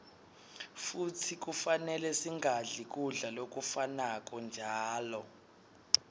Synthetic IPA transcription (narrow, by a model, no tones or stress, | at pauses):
futʰik̬ufanɛlɛsiŋɡʱaɮik̬ʼuɮalok̬ʼufanak̬ʼɔnd͡ʒʱaːlɔ